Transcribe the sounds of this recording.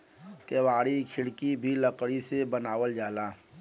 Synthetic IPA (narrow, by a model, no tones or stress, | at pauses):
keːʋaːɽikʰɪɽkibʱiləkɽisebənaːwəld͡ʒaːlaː